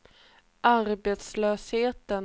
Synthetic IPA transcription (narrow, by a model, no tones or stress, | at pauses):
ʔaɾbeːt̪slœːsheːt̪ən